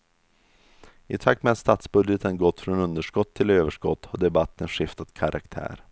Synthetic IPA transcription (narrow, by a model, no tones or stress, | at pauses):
ɪt̪ʰak̚t̪mɛad̪st̪aːt̪sbɵd̪jət̪ʰənɡɔt̪ːfɾoːnɵnd̪əʂkɔt̪ʰːɪløːvəʂkɔt̪ːhaɖɛbat̪ʰːənɧɪft̪at̪kʰaɾʔa̰kt̪ʰæ̰ːɾ